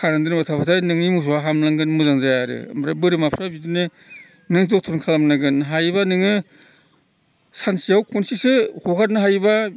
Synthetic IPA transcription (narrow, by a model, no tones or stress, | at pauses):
kʰaɾandɯnbatʰapʰatʰanɯŋnimus̬uwaɦamlaŋɡɯnmuzaŋzajaɾɯ̰mɾabɯɾɯmapʰɾabidɯnɯ | nɯŋzɔk̚tʰɔɾnŋkʰalamnaɡɯnɦajbanɯŋɯ | sansijawkʰɔnsisɯhukʰat̚nɯɦajba